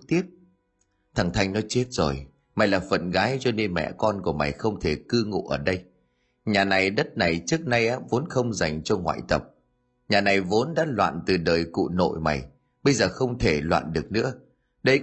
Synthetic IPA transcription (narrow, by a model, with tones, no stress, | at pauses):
t̪i˦˥əp̚ | t̪ʰa˨˩ŋt̪ʰa˧jŋ̟nɔ˨˦t͡ɕe˦˥t̚z̥o˨˩j | ma˨˩jlaː˨˩fə̰˧˨nɣaː˨˦jt͡ɕɔ˧ne˧nmɛ̰˧˨kɔ˧nku˧˩əma˨˩jxə˧wŋ͡mt̪ʰe˧˩kɨ˧ŋṵ˧˨ʔəː˧˩ɗə˧j | ɲaː˨˩na˨˩jɗə˦˥t̚na˨˩jt͡ɕɨ˦˥ək̚na˧jʔaː˨˦vo˨˦nxə˧wŋ͡mza˨˩jŋ̟t͡ɕɔ˧ŋwa̰ː˧˨jt̪ə˨˩p̚ | ɲaː˨˩na˨˩jvo˨˦nɗa̰ː˧˥lwa̰ː˧˨nt̪ɨ˨˩ɗəː˨˩jkṵ˧˨no̰˧˨jma˨˩j | ɓə˧jzəː˨˩xə˧wŋ͡mt̪ʰe˧˩lwa̰ː˧˨nɗɨ˨˩ək̚nɨ̰˧˥ə | ɗə˧